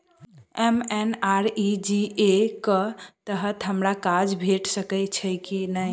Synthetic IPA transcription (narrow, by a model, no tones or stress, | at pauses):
emenaɾid͡ʒiekət̪əɦət̪ɦəmɾakad͡ʒbʱeʈsəkɛɪt͡ʃʰəkinəj